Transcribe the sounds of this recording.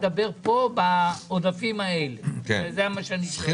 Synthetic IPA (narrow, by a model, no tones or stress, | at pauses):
d̪abe̞ʁpo̞baod̪afimaelekezeamaʃeani